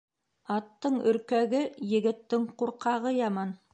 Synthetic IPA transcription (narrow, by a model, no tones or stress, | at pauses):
ɑt̪ːɤɴɵ̆ɾkæɡɘjɘ̆ɡɘ̆t̪ːɘŋquɾqɑʁɤjɑmɑn